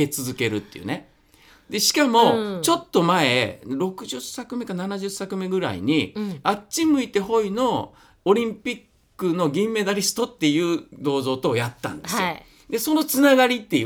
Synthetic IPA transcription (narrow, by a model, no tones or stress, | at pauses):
e̞t͡sɨzɨke̞ɾɯ̟̰t̪ːe̞jiɯ̰ne | d̪e̞ɕi̥kamo̞t͡ɕo̞t̪ːo̞maeɾo̞kɯ̟ʑɨsːakɯ̟me̞kananaʑɨsakɯ̟me̞ɡɯ̟ɾa̰ḭɲ̟iaɕimɯ̟it̪e̞ɦo̞ino̞ː | ɾʲĩmpʲikːɯno̞ɡʲĩmːe̞d̪aɾʲisɨ̥t̪o̞t̪ːe̞jɯ̟ːd̪o̞ːzo̞ːt̪o̞ːjat̪ːã̰nd̪sɨo̰ | d̪e̞so̞no̞t͡sɨnaɡaɾʲit̪ːe̞